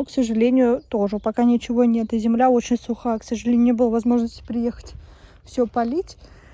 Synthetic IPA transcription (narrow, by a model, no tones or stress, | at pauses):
uksəʐɨlʲenʲɪjʊt̪oʐɨpɐkanʲɪt͡ɕɪvo̞nʲe̞t̪ɪzʲɪmlʲao̞t͡ɕɪnʲsʊxaksəʐɨlʲenʲʊnʲebɨlˠəvɐzmo̞ʐnəsʲtʲɪ̥pɾʲɪje̞xə̥tʲ | fsʲɵpɐlʲitʲ